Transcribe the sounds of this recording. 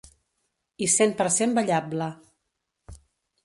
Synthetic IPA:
isempəɾsembəʎablə

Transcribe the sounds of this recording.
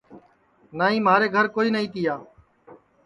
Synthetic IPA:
naːɦĩːmaːɾeːɡʱəɾkoːiːnəĩːt̪ɪjaː

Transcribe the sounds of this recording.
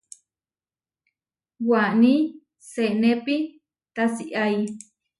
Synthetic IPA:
wani | seʔnepi | t̪asiʔaj

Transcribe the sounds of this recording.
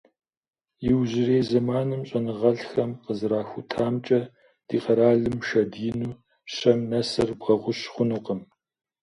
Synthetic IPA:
jɪwʑɪreːzɐmaːnɨmɕʼɐnɨʁɐɬxɐmqəzɨɾaːxʷʊtʰaːmt͡ʃʼɐ | d̥iːqɐɾaːɮɨmʃɐdiɪnuː | ɕɐmnɐsɐrbʁɐʁʷʊɕχʷʊnɨqəm

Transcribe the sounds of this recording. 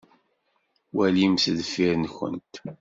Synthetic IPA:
wælimsðfiɾnçə̰nt̪

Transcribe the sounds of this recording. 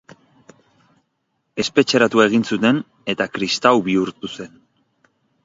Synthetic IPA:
e̞spe̞t͡ʃe̞ɾat̪uae̞ɣ̞insut̪e̞n | e̞t̪akɾist̪awβiuɾt̪use̞n

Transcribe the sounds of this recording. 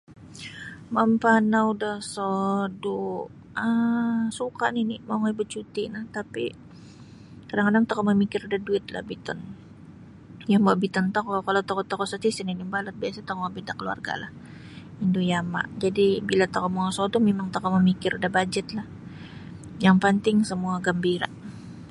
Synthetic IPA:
mampanaudahsodu | əsuka̰ʔninimaŋaibət͡ʃut̪inat̪apḭ | kadaŋkadaŋt̪akoʔməmikɪɾudahduɪt̪la̰hbit̪ɔ̰n | jambabit̪ɔnt̪okɔkalawt̪okɔt̪okɔsɔt̪isɪninibalət̪̚biasat̪okɔŋabidakəlua̰rɡa̰lah | indujama̰ʔd͡ʒadibilat̪akɔʔmaŋasodumemaŋt̪akɔməmikɪɾudahbad͡ʒət̪lah | jaŋpənt̪ɪŋsəmuaɡəmbiɾa̰ʔ

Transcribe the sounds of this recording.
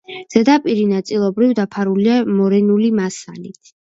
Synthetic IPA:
z̥ɛd̪apʼiɾinat̪sʼilˠɔbɾivd̪apʰaɾuliamɔɾɛnulimasalit̪ʰ

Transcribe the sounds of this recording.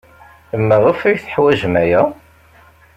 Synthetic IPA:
mːæʁəfæjθə̥ħwæʒmæjæ

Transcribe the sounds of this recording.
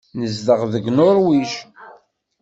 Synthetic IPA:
nəzdəʁðəɡnʊɾwiʃ

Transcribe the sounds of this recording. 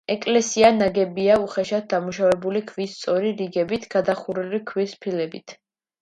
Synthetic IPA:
ɛkʼlɛsianaɡɛbiauχɛʃat̪̚d̪amuʃavɛbulikʰvist̪sʼɔɾiɾiɡɛbit̪ʰɡ̥ad̪aχuɾɛlikʰwispʰilɛbit̪ʰ

